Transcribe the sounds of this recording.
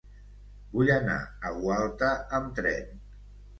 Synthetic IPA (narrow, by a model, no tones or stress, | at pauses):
buʎəna̰əɣwalˠt̪əəmt̪ɾɛ̰n